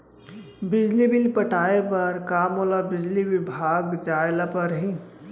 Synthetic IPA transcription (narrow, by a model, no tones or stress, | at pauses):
bɪd͡ʒlibɪlpəʈaːepɐɾkaːmolabɪd͡ʒliʋɪbʱaːɡd͡ʒaːɪlapɐɾɦi